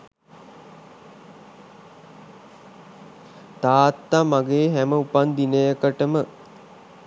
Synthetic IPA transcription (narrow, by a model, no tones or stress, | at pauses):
t̪aːt̪ːamaɡeːɦæməupand̪inəjəkəʈəmə